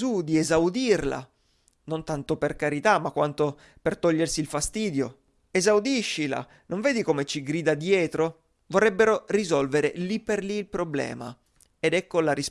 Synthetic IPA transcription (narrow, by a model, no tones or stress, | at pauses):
ud̪iezawd̪irla̰ | nont̪ant̪operkaɾit̪amːakːwant̪o | pert̪ɔʎːersiːlfast̪iːd̪jo̰ | ezawd̪iʃːila̰ | noɱveːd̪ikomet͡ʃiɡɾiːd̪ad̪jɛːt̪ɾo | vorːɛbːeɾorizɔlveɾelipːerliːlpɾoblɛ̰ːma̰ | ed̪ɛkːolaɾis